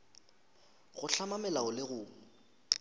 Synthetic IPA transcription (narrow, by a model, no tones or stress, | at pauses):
ɣʊɬamamɛlaʊlɪɣʊːŋ̩